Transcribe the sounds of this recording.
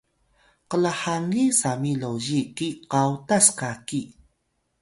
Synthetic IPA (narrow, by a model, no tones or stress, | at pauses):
qəlaħaŋisamilowʑikiqawtaskaki